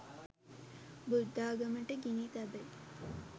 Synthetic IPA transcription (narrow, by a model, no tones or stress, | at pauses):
bud̪ːaːɡɐmɐɳʈeɡinit̪ɐbel